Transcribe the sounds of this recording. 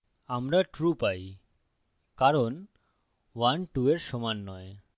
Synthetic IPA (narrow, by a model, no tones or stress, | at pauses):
amɾaʈɾupaj | kaɾon | wanʈueɾʃɔmanːɔe